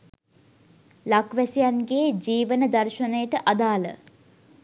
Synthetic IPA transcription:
lakʋæsijanɡed͡ʒiːʋənəd̪arʃənəjəʈəʔad̪aːlə̰

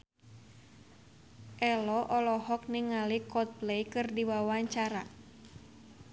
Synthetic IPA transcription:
ʔɛlɔʔɔlɔɦɔk̚niŋalikɔt̪̚plejkɨrdiwawaɲt͡ʃaɾa

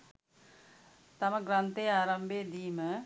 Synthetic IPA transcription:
t̪ɐmɐɡɾɐnt̪eːaːɾɐmbʱeːd̪iːmə

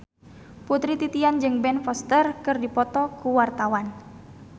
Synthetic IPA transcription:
put̪ɾit̪it̪iand͡ʒɨŋbɛnfɔst̪ərkɨrdipɔt̪ɔkuwart̪awan

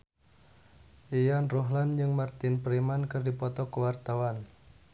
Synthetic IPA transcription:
ʔejanroɦland͡ʒɨŋmart̪ɪnpɾimankərdipɔt̪ɔkəwart̪awan

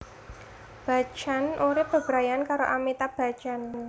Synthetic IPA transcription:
b̥a̤̥t͡ʃanʔuɾɪb̥a̤b̥ɾajankaɾoʔamit̪ab̥a̤̥t͡ʃan

